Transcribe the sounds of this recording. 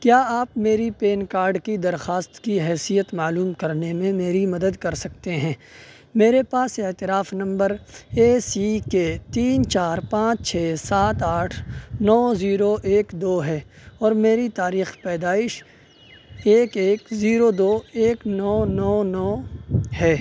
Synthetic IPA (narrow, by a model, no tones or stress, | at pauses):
kjaːaːpmeːɾipeːnkaːɾɖkid̪ɐɾxaːst̪kiɦɛːsijət̪maːluːmkɐɾnemẽmeːɾimɐd̪əd̪kɐɾsɐkt̪eɦɛ̃ː | meːɾepaːseɦt̪ɪɾaːfnɐ̃mbəɾeːsiket̪iːnt͡ʃaːɾpãːt͡ʃt͡ʃʰɛːsaːt̪aːʈʰnɔːziːɾoʔeːkd̪oːɦɛː | ɔːɾmeːɾit̪aːɾiːxpɛːd̪aːɪʃ | eːkeːkziːɾod̪oːeːknɔːnɔːnɔːhɛː